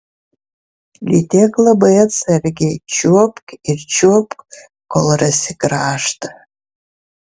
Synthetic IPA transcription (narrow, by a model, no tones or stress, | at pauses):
lʲitʰekʼlabaet͡sʰarɡʲɪt͡ʃʰuɔpʼkʼirt͡ʃʰuɔpʼkʼ | kʰolrasiɡraːʂtʰʼ